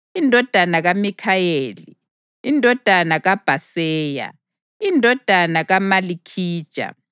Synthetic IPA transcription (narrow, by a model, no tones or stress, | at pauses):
indʱɔd̥ʱanaɣamikʰajeːli | indʱɔd̥ʱanaɣab̥ʱasɛːja̰ | indʱɔd̥ʱanaɣamalikʰiːd̥ʒ̥ʱa̰